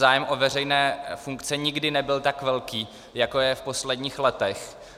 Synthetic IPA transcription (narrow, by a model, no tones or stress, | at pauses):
aːjɛmʔo̞vɛr̝ɛjnɛːfuŋkt͡sɛɲɪɡdɪnɛbɪlt̪akvɛlkiː | jako̞jɛfpo̞slɛdɲiːxlɛt̪ɛx